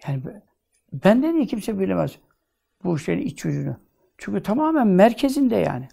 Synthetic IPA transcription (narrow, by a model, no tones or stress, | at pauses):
jaːnib | bænd̪ɛd̪ijicʰimsɛbilʲemɛz̥ | b̥uʃejḭnit͡ʃyd͡ʒyny | t͡ʃʰyɲʲcyt̪ʰamaːmænmæɾcʰezind̪ɛja̰ːni